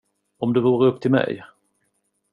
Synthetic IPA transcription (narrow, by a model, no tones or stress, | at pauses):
ɔmd̪ɵvuːɾəɵpːt̪ʰɪlmɛ̰j